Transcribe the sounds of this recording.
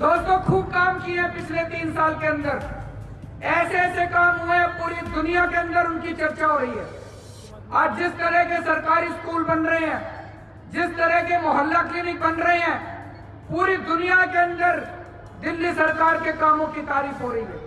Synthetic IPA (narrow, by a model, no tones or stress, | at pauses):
d̪oːst̪õkʰuːb̚kaːmkieɦɛ̃pɪt͡ʃʰlet̪iːnsaːlkeɐ̃nd̪əɾ | ɛːsesekaːmɦoẽpuːɾid̪ʊnijakeɐ̃nd̪əɾʊnkit͡ʃɐɾt͡ʃaɦoːɾɐɦiɦɛ̰ː | ɔːɾd͡ʒɪst̪ɐɾəkesɐɾkaːɾiskuːlbɐnɾɐɦeɦɛ̃ː | d͡ʒɪst̪ɐɾəkemoɦɐlːakliːnɪk̚bɐnɾɐɦeɦɛ̃ː | puːɾid̪ʊnijakeɐ̃nd̪əɾ | d̪ɪlːisɐɾkaːɾkekaːmõkit̪aːɾiːfɦoːɾɐɦiɦɛ̰ː